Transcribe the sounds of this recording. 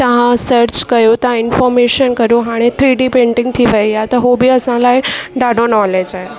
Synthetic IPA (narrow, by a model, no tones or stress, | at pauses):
t̪əʋ̤ãsəɾt͡ʃkəjũt̪ɐãɪnfɔɾmeʃənkəɾjũɦaɽ̃et̪ʰɾiːɖipẽɳʈɪ̃ŋɡ̚t̪ʰiʋəiat̪ɔɦobiəsãlaːiɖaɖonɔled͡ʒae